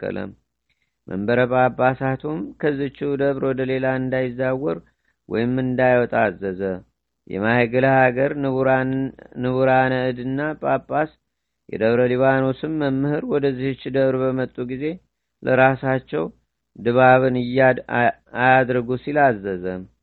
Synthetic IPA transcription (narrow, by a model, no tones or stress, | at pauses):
ə̰lə̰m | mʔə̰mbəɾəpʼabːasat̪ʰumkʰəzɨt͡ʃːid̪əβɾwɔd̪əle̞laɨnd̪ajɪzːawːɔɾ | wʔɔ̰jɪmːɨnd̪ajwɔt̪ʼazːəzə | jɛ̰mahəɡələhaɡəɾ | nɨβuɾanəɨd̪ɨnːapʼapʼːas | jɛ̰d̪əβɾəliβano̞sɨmːəmːɨhɨɾwɔd̪əzːihɨt͡ʃːd̪əβɾbəmət̪ʼːuɡize̞ | lʔəɾasat͡ʃːɛw | d̪ɨβaβɨnɨj | ajad̪ɾɨɡusilazːəzəm